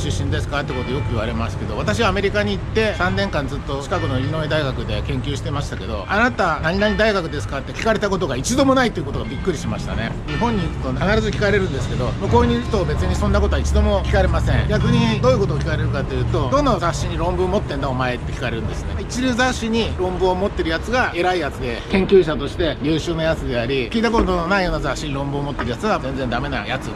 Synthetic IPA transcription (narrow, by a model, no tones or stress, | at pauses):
ɕɨɕːĩnd̪e̞sɨ̥kat̪eko̞t̪ojokɯ̟iβaɾe̞maske̞d̪o̞βat̪aɕiβaːme̞ɾʲikaɲ̟iːt̪ːe̞sãnːẽ̞ŋkãnd͡zɨt̪ːo̞t͡ɕi̥kakɯ̟no̞ɾʲino̞id̪aiɡakɯ̟d̪e̞kẽ̞ŋkʲɨːɕi̥t̪e̞maɕi̥t̪ake̞d̪o̞̰anat̪anaɲ̟inaɲ̟id̪aiɡakɯ̟d̪e̞sɨ̥kat̪ːe̞kʲi̥kaɾe̞t̪ako̞t̪̬o̞ɡait͡ɕid̪o̞mo̞nait̪oiɯ̟kot̪oabʲikːɯ̟ɾʲiɕimaɕi̥t̪a̰ne̞̰ | ɲiɦõ̞ɲ̟ːiikɯ̟̥t̪okanaɾazɨkʲi̥kaɾe̞ɾɯ̟̃nd̪e̞sɨ̥ke̞d̪o̞mokoːɲʲiç̥t̪o̞ːbe̞t͡sɨɲ̟isonːako̞t̪oait͡ɕid̪o̞mo̞kʲi̥kaɾe̞masẽ̞ɴɡʲakɯ̟ɲ̟id̪o̞ːiɯko̞t̪̬oːkʲi̥kaɾe̞ɾɯ̟kat̪ːejɯ̟ːt̪o̞d̪õ̞nːazaɕːiɲ̟iɾõ̞mbɯomo̞t̪ːe̞nd̪ao̞mae̞t̪ːe̞kʲi̥kaɾe̞ɾɯ̃nd̪e̞sɨ̥ne̞̰it͡ɕiɾɯ̟zaɕiɲ̟iɾõ̞mbɯomo̞t̪ːe̞ɾɯ̟jat͡sɨɡae̞ɾaijat͡sɨd̪e̞kẽ̞ŋkʲɨːɕ̬at̪o̞ɕi̥t̪e̞jʲɯːɕɨːnajat͡sɨd̪e̞aɾʲikʲiːt̪akot̪ot̪ononaijo̞ːnazaɕːiɲiɾõ̞mbɯ̟omo̞t̪ːe̞ɾɯ̟jat͡sɨɡazẽ̞nd͡ze̞nd̪ame̞na̰jat͡sɨ̰